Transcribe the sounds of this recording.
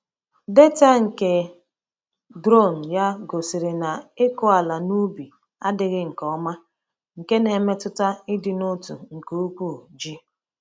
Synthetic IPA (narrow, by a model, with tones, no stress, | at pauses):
de˦ta˦ŋ̩˨ke˨ | dɾo˦˨n̩˨ja˦ɡo˨si˨ɾɪ˨na˨ɪ˦kʊ˦a˨la˨nu˦bi˨ | a̰˦dɪ˨ɣɪ˦ŋ̩˨kɔ˦ma˦ | ŋ̩˨ke˦ne˨me˦tʊ˦ta˦ɪ˦dɪ˨nʊ˦tu˨ŋ̩˨ko˨˦u˦kʷu˦˨d͡ʒi˦